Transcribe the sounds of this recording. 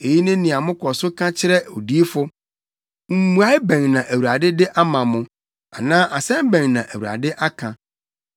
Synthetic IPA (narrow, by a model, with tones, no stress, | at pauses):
e˨ji˦nʊ̃˦nɪ̃˨a˨mʊ̃˦kʰɔ˨sʊ˦kʰã˦t͡ɕʰɪ˦ɾɛ˦o̰˨di˦e˦fʊ˦ | m̩˦˨mũ˨˦a˦ɪ˦bɛ̃˨ŋnã˨ʔæ˨wu˨ɾa˨dɪ˦dɪ˦ʔa˦mã˨mʊ̃˦ | a˨nãː˦ʔa˨sɛ̃˦m˦bɛ̃˨ŋnã˨ʔæ˨wu˨ɾa̰˨dɪ˦ʔa˦kʰã˨